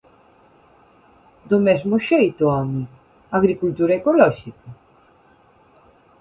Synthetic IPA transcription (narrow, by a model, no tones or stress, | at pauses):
d̪ʊmɛzmʊʃejt̪ʊami | aɣɾikult̪uɾɐekolɔʃikɐ